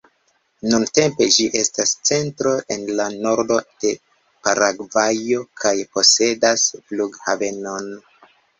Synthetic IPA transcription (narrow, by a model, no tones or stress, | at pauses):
nunte̞mpe̞d͡ʒiʔe̞stast͡se̞ntɾo̞ʔe̞nlano̞ɾdo̞d̥e̞ | paɾʔaɡvajo̞kʰajpo̞se̞dasfluɡhave̞no̞n